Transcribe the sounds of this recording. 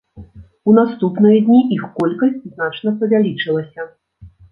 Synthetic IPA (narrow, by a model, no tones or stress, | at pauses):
unast̪upnɨjɐd̪ʲnʲiixkɔlʲkɐsʲt͡sʲznat͡ʂnɐpɐvʲalʲit͡ʂɨlˠɐsʲɐ